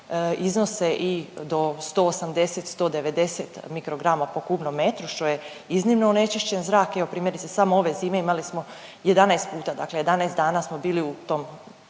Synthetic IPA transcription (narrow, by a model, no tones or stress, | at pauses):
izno̞seʔid̪o̞st̪o̞ːosamd̪e̞set̪st̪o̞ːd̪eʋe̞d̪e̞set̪mikɾo̞ɡɾamapo̞kubnomːe̞t̪ɾuʃt̪o̞je̞ | iznimnoonet͡ʃiʃt͡ɕenzɾaːkeʋo̞pɾiːmjeɾit̪sesamooʋe̞ziːme̞imalismo̞ | je̞d̪anaest̪̚puːt̪ad̪akleje̞d̪anaest̪d̪aːnasmo̞biːliut̪o̞m